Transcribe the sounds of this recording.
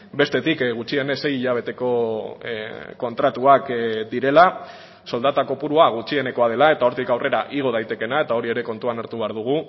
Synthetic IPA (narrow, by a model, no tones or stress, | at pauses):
be̞st̪e̞t̪ikɣut͡ʃie̞nese̞jiʎaβ̞e̞t̪e̞ko̞ | ko̞nt̪ɾat̪uakd̪iɾe̞la | so̞ld̪at̪ako̞puɾuaɣ̞ut͡ʃie̞ne̞ko̞að̞e̞lae̞t̪ao̞ɾt̪ikawre̞ɾaʔiɣ̞o̞ð̞ajt̪e̞ke̞nae̞t̪ao̞ɾie̞ɾe̞ko̞nt̪uanaɾt̪uβeaɾðuɣ̞u